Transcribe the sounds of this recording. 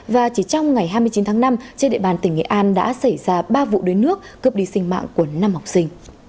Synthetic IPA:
vaː˨˩t͡ɕi˧˩t͡ɕɔ˧wŋ͡mŋa˨˩jɦaː˧jmɨ˧ət͡ɕi˨˦nt̪ʰːŋna˧mt͡ɕe˧nɗ̰ɓaː˨˩nt̪i˧˩ŋ̟ŋḛ˧˨ʔaː˧nɗa̰ː˧˥sa˧˩jzaː˧ɓaː˧vṵ˧˨ɗə˨˦nɨ˦˥ək̚ːɨ˨˩p̚ɗi˨˧˩sï˧ŋ̟ma̰ː˧˨ŋku˧˩əna˧mha˨˩wk͡p̚sï˧ŋ̟

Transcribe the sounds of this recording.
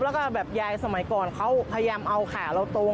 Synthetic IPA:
lɛː˦˥wkɔː˥˩bɛː˨˩p̚jaː˧jsa˧ma˩˦jkɔː˨˩nkʰa˦˥wpʰa˧ja˧jaː˧mʔa˧wkʰaː˨˩˦ɾa˧wt̪oː˧

